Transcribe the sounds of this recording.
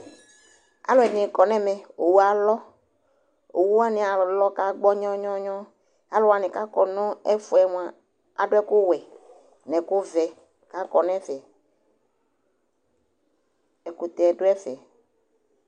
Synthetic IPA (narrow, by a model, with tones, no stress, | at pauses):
a̰˦lʊ˨˦ɛ˨nĩ˨kɔ˨nɛ̃˦mɛ̃˨o˨wu˦a˨lɔ˦ | o̰˨wu˦wa˦nɪ̃˨a˨lɔ˦ka˦ɡ͡bɔ˦ɲɔ̃˦ɲɔ̃˦ɲɔ̃˦ | a˦lʊ˨wa˨nɪ̃˨ka˦kɔ˨nɔ̃˦ɛ˦fu˨ɛ˨m˨a˨ | a˨ɖʊ˦ɛ˦kʊ˦wɛ˨ | nɛ̃˨kʊ˦vɛ˨ | ka˦kɔ˨nɛ̃˦fɛ˨ | ɛ˨ku˨t̪ɛ˨ɖʊ˦ɛ˦fɛ˨